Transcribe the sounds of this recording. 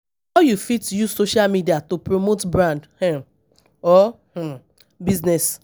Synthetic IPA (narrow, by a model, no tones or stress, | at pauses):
aʊjufitjusoʃalmidiatopɹomotbɹãndhɛ̃ | ɔ | h̩ | biznɛs